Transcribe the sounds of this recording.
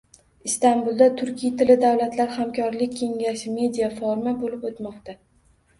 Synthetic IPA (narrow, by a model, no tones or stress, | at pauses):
ɪst̪anbulˠd̪at̪ʰʊɾkʲʰijt̪ʰɪlɪd̪awlat̪laɾhamkʲʰɒɾlɪkʲːʰe̞ŋʲaʃɪme̞d̪ijafɒɾmabolɪpot̪mɒqt̪a